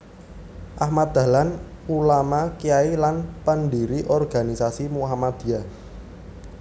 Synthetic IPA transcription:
ʔahmat̪̚d̪a̤lan | ulamakiailanpəndiɾiʔɔrɡ̥a̤nisasimuɦamad̪̥i̤a

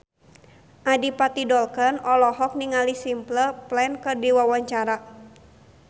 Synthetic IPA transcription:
ʔadipat̪idɔlkənɔlɔɦɔk̚niŋalisimpləplɛnkɨrdiwawaɲt͡ʃaɾa

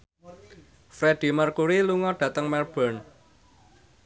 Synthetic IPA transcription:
fɾeɖ̥i̤markuɾiluŋɔɖ̥ä̤t̪əŋmɛrb̥ɔ̤n

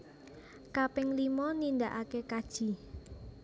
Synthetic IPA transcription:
kapɪŋlimɔnind̪aʔakekad̥ʒ̥i̤

